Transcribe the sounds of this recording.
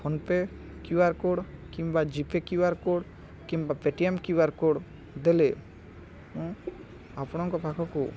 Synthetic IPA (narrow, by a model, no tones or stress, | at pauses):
pʰɔnpe | kjuaɾkoɽkimbad͡ʒipekjuaɾkoɽ | kimbapeʈiemkuaɾkoɽ | d̪ele | mɔ̃ | apñɔŋkɔpʰakʰɔku